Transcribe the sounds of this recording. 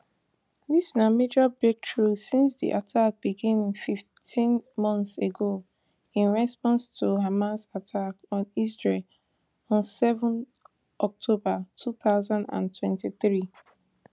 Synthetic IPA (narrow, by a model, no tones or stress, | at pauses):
disnamed͡ʒabɛtʰɹusĩnsdḭʔatʰak̚b̥iɡĩñŋfiftʰĩnmɔ̃nθseɡo | ĩnɹɛspɔ̃nstʰuɦamasatʰakɔ̃nisɹel | ɔ̃nsɛvɔ̃n | ʔɔk̚tʰobatʰuθaʊzãndã̰ntwɛ̃ntiθɹi